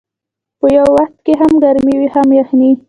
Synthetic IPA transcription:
pəjawːaxt̪̚keɦamɡaɾmiwihamjaxni

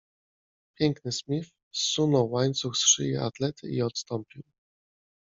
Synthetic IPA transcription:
pʲjɛŋknɘsmʲif | sːunɔwːaɲt̪suxsʂɘ̰jɛ̰ʔa̰t̪lɛt̪ʰɘ̰iɔt̪st̪ɔmpʲiw

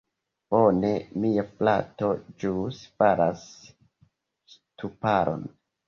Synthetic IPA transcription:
bo̞ne̞miaplatod͡ʒuspaɾas | stupaɾo̞̰n

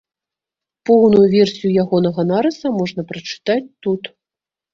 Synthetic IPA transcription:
pɔwnujuvʲɛrsʲijujaɣɔnɐɣɐnaɾɨsɐmɔʐn̪ɐpɾɐt͡ʂɨ̥t̪at͡sʲt̪ut̪

